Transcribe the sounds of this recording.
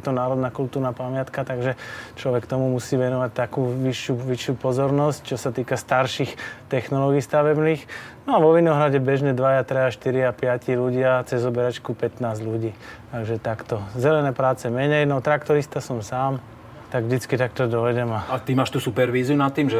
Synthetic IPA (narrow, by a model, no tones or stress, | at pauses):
t̪ɔnaːɾɔd̪nakult̪uːɾnapamɪat̪kat̪aɡʒɛt͡ʃlɔʋɛkt̪ɔmumusiːʋɛnɔʋac̚t̪akuːʋiʃːjuʋiʃːjupɔzɔɾnɔsc̚t͡ʃɔsat̪iːkast̪aɾʃixt̪ɛxnɔlɔɡiːst̪aʋɛbniːxnɔaʋɔʋinɔɦɾaɟɛbɛʒɲɛd̪ʋajat̪ɾɛaʃt̪iɾiapɪaciluɟɪat͡sɛzɔbɛɾat͡ʃkupɛt̪naːzʎuɟiːt̪aɡʒɛt̪akt̪ɔzɛlɛnɛːpɾaːt͡sɛmɛɲɛjnɔt̪ɾakt̪ɔɾist̪asɔmsaːm | t̪aɡʒd̪it͡skit̪ak̚t̪ɔd̪ɔɛɟɛmaat̪imaːʃt̪usupɛɾʋiːziunat̪ːiːmʒɛ